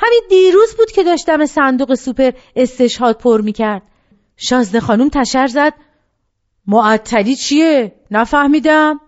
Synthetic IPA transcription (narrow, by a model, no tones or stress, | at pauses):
hæmind̪iːɾuːzbuːd̪̥̚cʰe̞d̪ɒːʃt̪æmesænd̪uɣesupʰe̞ɾe̞st̪e̞ʃhɒːd̪̥̚pʰoɾmiːcʰæɾd̪̥̚ | ʃɒːzd̪e̞xɒːnumt̪ʰæʃæɾzæd̪̥̚ | moæt̪ʰːæliːt͡ʃʰije | næfæhmiːd̪æm